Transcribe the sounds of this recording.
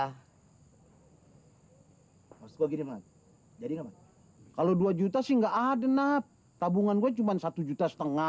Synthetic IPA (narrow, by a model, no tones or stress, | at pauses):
ausɡuaɡinimat̪̚ | d͡ʒadiŋamat̪̚ | kaloduad͡ʒut̪asiŋɡaʔadənap̚ | t̪abuŋanɡuat͡ʃumansat̪ud͡ʒut̪asə̥t̪əŋa